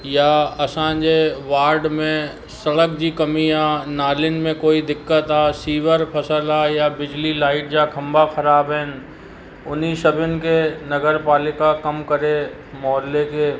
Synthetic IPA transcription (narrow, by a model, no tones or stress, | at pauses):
jaɐsãːd͡ʒeʋaːɾɖmẽ | sɐɽəkd͡ʑikɐmiaːnaːlɪnmẽkoːid̪ɪkːət̪aːsiːʋəɾpʰɐsəlajabɪd͡ʒlilaːɪʈ̚d͡ʒakʰɐ̃mbakʰɐɾaːbɦɛːn | ʊnisɐbɪnkenɐɡəɾpaːlɪkakɐmkɐɾe | mɔːlːekeː